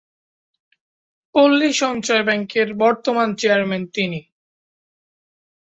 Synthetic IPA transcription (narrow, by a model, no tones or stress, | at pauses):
polːiʃɔnt͡ɕɔebɛŋkeɾbɔɾt̪omant͡ɕeaɾment̪ini